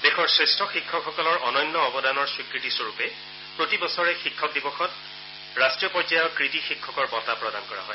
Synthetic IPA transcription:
dexɔɹsɹestʰɔxikʰːɔkxɔkɔlɔɹɔnɔjnːɔɔbɔdanɔɹswikɹitisoɹupɛ | pɹotibɔsɔɹɛxikʰːɔk̚dibɔxɔt | ɹastɹijɔpɔzajɔkɹitixikʰːɔkɔɹbɔtapɹɔdankɔɹa̰ɦɔj

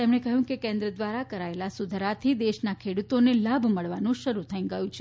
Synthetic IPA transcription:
t̪emɳekəɦjũkekẽnd̪ɾəd̪ʋaɾakəɾaelasud̪ʱɾat̪ʰid̪eʃnakʰeɽut̪onelabʱməɭʋanũʃəɾut̪ʰəĩɡəjũt͡ʃʰ

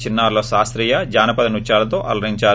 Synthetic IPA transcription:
t͡ʃinːɐːɾloːʃaːst̪ɾijad͡ʒaːnɐpɐd̪ɐnut͡ʃaːlɐt̪oːʔɐ̰lɾiɲt͡ʃaː

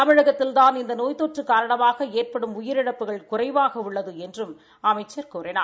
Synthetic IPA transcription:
t̪ɐmɪɻɐɣɐt̪ːɪlðaːnɪnd̪ɐnoːjt̪oːʈrɯkaːɾɐɳɐmaːɣɐeːrpɐɽɯmʊjɪɾɪɽɐpːɯɣɐɭkʊrɐɪʋaːɣɐʊɭːɐðɯɛndrɯm | ɐmɐɪt͡ʃːɐɾkoːɾɪna̰ː

